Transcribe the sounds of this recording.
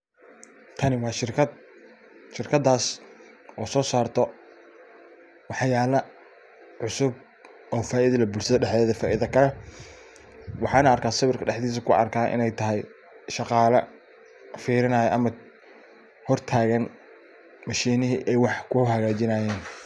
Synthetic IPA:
t̪ʰɐnɪwɑːʃɪrkʰɐd̪ | ʃɪrkʰɐd̪aːs | ʔɔːsɔːsaːrt̪ʰɔ | wɑħjaːlɐ | ʕʊsʊb̚ | ʔɔːfaːʔɪðɐðɐbʊːlsɐðɐɖɛħɛːðɐfaːʔɪðɐkʰɐlɛ | wɑħɑːnɐːrkʰaːsɐβɪrkʰɐɖɛħd̪iːs̬ɐkʰʊɐ̰rkʰaːnʔɪ̰nɛjt̪ʰɐɦɛj | ʃɑqɑːlɐ | fiːɾɪnɐːjɛʔɐmɐ | hɔrt̪ʰaːɣɐn | mɐʃiːnɪɦiʔɛjwɑħkʰʊhɐɣaːt͡ʃɪnaːjɛːn

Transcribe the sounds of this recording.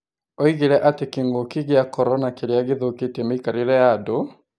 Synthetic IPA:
oiɣeɾɛʔatekiŋɡokiɣeakɔɾɔnakeɾeaɣɪðoketemekaɾiɾɛado

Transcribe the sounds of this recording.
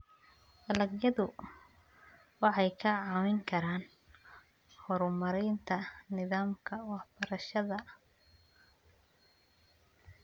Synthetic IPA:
dɐlɐɡjɐðʊ | wɑħɑjkʰɐʕɑːwɪŋkʰɐɾaːn | hɔɾmɐɾɛjnt̪ʰɐnɪðaːmkʰɐwɑħb̥ɐɾɐʃɐðɐ

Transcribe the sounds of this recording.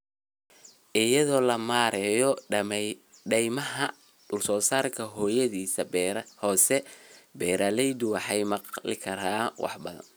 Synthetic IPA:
ʔɪjɐðɔːlɐmaːɾɛːjɔ | ɖɛjmɐɦɐ | ɖʊlsɔːsaːrkʰɐɦɔːjɐðiːsɐhɔːsɛbɛːɾalɛjd̪ʊwɑħɑjmɑqlɪ̰kʰɐɾaːwɑ̰ħbɐ̰ðɐ̰n

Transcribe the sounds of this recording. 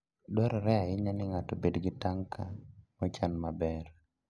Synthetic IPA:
dɔɾɔɾɛaɪɲanɪŋatobedɡɪtaŋkamɔt͡ʃanmabɛr

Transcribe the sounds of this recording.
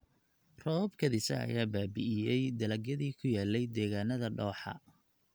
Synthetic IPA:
rɔːbkʰɐðɪsɐ̰ɐ̰jaːbaːbɪʔɪjɛjd̪ɐlɐɡjɐðiːkʰʊjaːlːɛjd̪ɛːɣaːnɐðɐɖɔːħɑ̰

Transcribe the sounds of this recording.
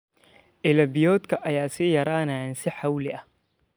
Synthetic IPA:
ʔɪlɐbɪjɔːd̪kʰɐʔɐjaːsɪjɐɾaːnansɪħawlɪʔɐh

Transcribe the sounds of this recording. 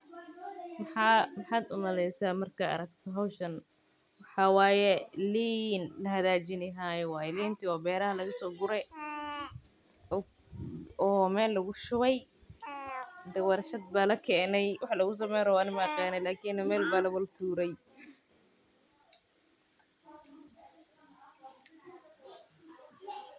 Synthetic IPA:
mħɑmɑħɑːd̪ʊ̰mɐlɛjsaːmɐrkʰɐɐ̰ɾɐkt̪ʰɔɦawʃɐn | wɑħɑwɑːjɛliːnlɐɦɐðaːt͡ʃɪnɪɦaːjɛwɑːjliːnt̪ʰiwɔːbɛːɾɐhɐlɐɣɐsɔːɡʊɾɛ | ɔːmɛːlːɐɣʊʃʊβɛj | d̪ɛwɑɾʃɐd̪̚baːlɐkʰɛːnɛjwɑħlɐɣʊs̬ɔːmɛːɾɔwanɪmaːqɛːnɛlaːkʰiːnmɛːlbaːlɐβɐlt̪ʰuːɾɛj

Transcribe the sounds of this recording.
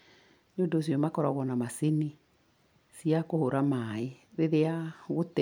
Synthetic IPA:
ɲodos̬jɔmakɔɾɔɣɔnamaseni | siakohoɾamaeɾeðeaɣot

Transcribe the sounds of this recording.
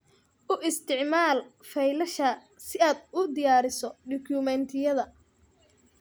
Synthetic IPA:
ʔʊʔɪst̪ʰɪʕmaːlfɛjlɐʃɐ | sɪaːd̪ʊd̪ɪjaːɾɪsɔɖʊkʰumɛnt̪ʰɪjɐðɐ

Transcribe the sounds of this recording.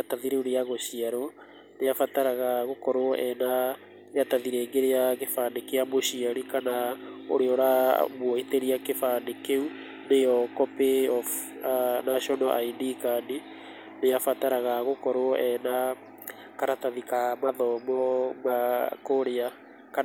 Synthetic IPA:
ataðiɾeuɾeaɣoɕiaɾo | neafataɾaɣaɣokɔɾoɔʔɛna | eataðiɾeːŋɡeɾeaɣefanekeamoɕiaɾikanao̰ɾeɔɾamwɔiteɾiakefanekeu | nejɔkɔpeɔf | anaɕɔnɔʔainikani | neafataɾaɣaɣokɔɾoɔʔɛna | kaɾataðikamaðɔmɔmakoɾea | ka

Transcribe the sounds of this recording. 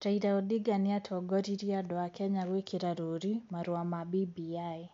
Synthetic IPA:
ɾaiɾaɔdiɡaniatʰɔɡɔɾiɾiadɔakɛɲawekiɾaɾoɾimaɾwamabibiaj

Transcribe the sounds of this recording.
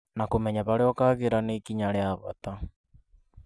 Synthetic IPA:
nakomɛɲaβaɾeɔkaɣeɾanekiɲaɾeaβa̰ta

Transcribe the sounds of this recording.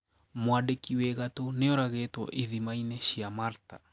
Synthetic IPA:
mwadekiwɛɣatoneɔɾaɣetwɔ̰ʔiðimainɛʃiamaɾta̰

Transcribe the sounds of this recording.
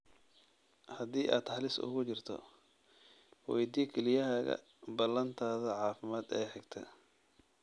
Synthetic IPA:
hɐðiːʔaːd̪ħɑlɪsʊ̰ɣʊt͡ʃɪrt̪ʰɔ̰ | wɛjd̪ikʰɛlɪjɐɦaːɣɐ̰ | bɐlɐnt̪ʰaːðɐʕɑːfɪmaːd̪ɛːħɪɡt̪ʰɐ̰

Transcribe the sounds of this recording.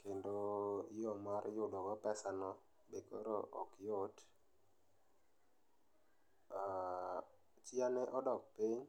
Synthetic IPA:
kendojɔmaɾjʊdɔkɔpɛsanɔ | bekɔɾɔ̰ʔɔ̰kjot | a | t͡ʃianeʔɔdɔk̚pɪɲ

